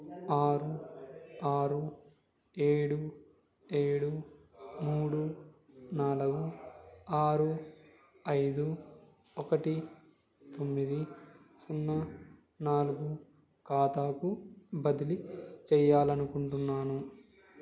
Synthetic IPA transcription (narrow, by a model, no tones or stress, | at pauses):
aːɾu | aːɾu | eːɽu | eːɽu | muːɽu | naːluɡu | aːɾu | ɐjd̪u | ɔkɐʈi | t̪omːid̪i | sunːɐ | naːluɡu | kaːt̪aːkubɐd̪ilit͡ʃɛjaːlɐnukuɳʈunːaːnu